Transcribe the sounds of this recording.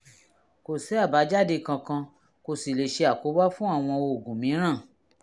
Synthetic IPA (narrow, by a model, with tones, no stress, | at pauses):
ko˨sɛ˨˦a˦˨ba˨˦d͡ʒa˦˨de˧˨kã˧kã˧ | ko˨si˨le˨ʃe˧a˨ko˨˦wa˦fũ˦a˦˨w̃ɔ̃˧o˧˨ɡũ˨mĩ˨˦ɾ̃ã˦˨